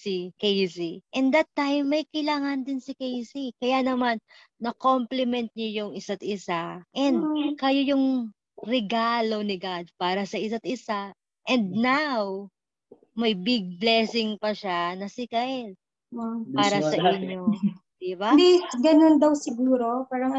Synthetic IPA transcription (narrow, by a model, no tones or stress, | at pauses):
sikejsiʔɛnd̪ɐt̪ːajmːɐjkɐjlaːŋɐnd̪ɪnsɪkejsikɐjanɐmanː | ɐko̞mplɛmɛnt̪̚ɲojʊŋɪsat̪̚ɪsaʔɛnd̪̚kɐjojʊŋ | ɾɛɡalo̞nɪɡad̪̚paːɾɐsɐʔɪsat̪ɪsa | ʔɛnd̪̚naw | mɐjbɪɡ̚blɛsɪŋpɐʃanɐsɪkal | ppaːɾɐsɐʔɪɲːo̞ | d̪ɪbad̪iɡɐnond̪ɐwsɪɡuːɾo̞paɾɐ